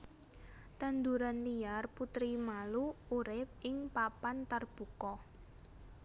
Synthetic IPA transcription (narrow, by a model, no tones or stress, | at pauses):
t̪and̪uɾanliarput̪ɾimaluuɾɪp̚ɪŋpapant̪ərb̥ukɔ